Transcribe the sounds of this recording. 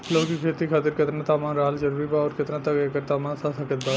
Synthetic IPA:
loːkikʰeːt̪ikʰaːt̪ɪɾkɪt̪nãt̪aːmaːnɾaːld͡ʒɐɾuːɾibaːɔːɾkɪt̪nãt̪ɐkeːkəɾt̪aːmãːnsasɐkət̪̚d̪aː

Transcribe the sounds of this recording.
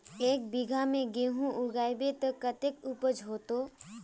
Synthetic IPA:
eːk̚biɡʱamẽɡeɦũʔʊɡaːjbet̪əkət̪ekupəd͡ʒɦoːt̪o

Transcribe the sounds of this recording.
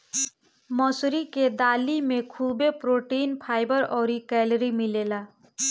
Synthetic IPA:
mɔsɾiked̪aːlimẽkʰubepɾoʈinpʰaːɪbəɾɔːɾikɛlɾimilela

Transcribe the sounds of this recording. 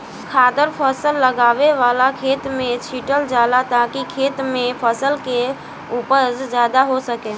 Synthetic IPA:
kʰaːd̪əɾpʰəsəlːəɡaːʋeʋaːlakʰeːt̪mẽt͡ʃʰiːʈəld͡ʒaːlat̪akikʰeːt̪mẽpʰəsəlke | uːpəɾd͡ʒjaːd̪aɦosəkeː

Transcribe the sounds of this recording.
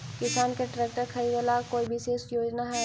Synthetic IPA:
kɪsaːnkeʈɾeːk̚ʈəɾkʰɐiɡelakoːibɪʃeːsjoːd͡ʒnaɦɛː

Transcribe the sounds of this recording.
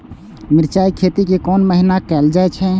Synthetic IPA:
mɪɾt͡ʃaːikʰeːt̪ikekɔːnməɦinakɛːld͡ʒaɛt͡ʃʰɛ

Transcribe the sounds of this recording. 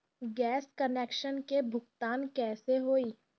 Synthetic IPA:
ɡɛːskəneːkʃənkebʱʊkt̪aːnkɛːseɦoːiː

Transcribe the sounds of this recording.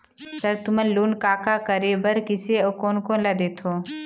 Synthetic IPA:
səɾt̪ʊməloːnkaːkakəɾebəɾkɪseokoːnkõlad̪eːt̪ʰoː

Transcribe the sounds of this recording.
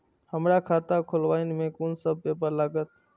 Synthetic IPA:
həmɾakʰaːt̪akʰʊlʋaːɪnmẽːkuːnsəb̚ʱpeːpəɾlaːɡət̪̚

